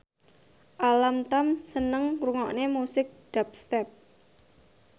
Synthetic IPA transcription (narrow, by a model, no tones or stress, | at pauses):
ʔalamt̪amsənəŋruŋɔʔnemusɪk̚ɖ̥ap̚st̪ɛp̚